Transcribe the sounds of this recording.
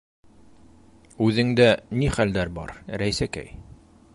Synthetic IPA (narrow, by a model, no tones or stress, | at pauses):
ʉðɘ̆ŋd̪æniχæld̪æɾbɒ̰ɾɾæjsækæ̰j